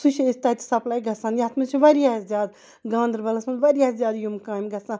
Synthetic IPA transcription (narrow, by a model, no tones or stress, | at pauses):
suʃɐist̪ɐt̪i̥sɐplaːiɡɐsãːnjaːt̪mɐnt͡ʃʰiʋɐɾijaːɐszʲjaːd̪ | ɡãːnd̪ɐɾbɐlɐsmɐnʋɐɾijaːszʲjaːd̪jumkaːjmɡɐsãː